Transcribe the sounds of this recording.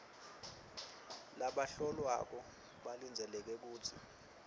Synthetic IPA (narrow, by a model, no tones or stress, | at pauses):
laɓaɬɔlwa̰k̬ɔ | ɓalind͡zʱɛlɛk̬ɛk̬uːtʰḭ